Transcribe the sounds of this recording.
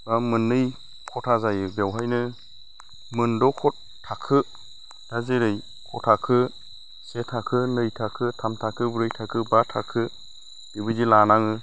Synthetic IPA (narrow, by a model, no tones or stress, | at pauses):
bamɯnːɯj | kʰɔtʰazajɯbawɦajnɯ | mɯndɔkʰɔt | tʰːakʰɯ | d̥azeɾɯj | kʰɔtʰakʰɯ | setʰakʰɯnɯjtʰakʰɯtʰamtʰakʰɯbɾɯjtʰakʰɯbatʰakʰɯ | dibɯzilanaŋɯ